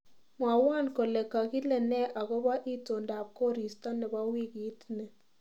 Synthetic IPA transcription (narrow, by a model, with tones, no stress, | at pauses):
mwa˨wa˦˨nko˨lɛ˨ka˨ki˦lɛ˨nɛ˦ʔa˨ɣɔ˦ba˦ʔi˦to˨nda˨p̚kɔ˦ɾi˨sta˦nɛ˨ba˦wi˦kɪ˨˦tnɛ˨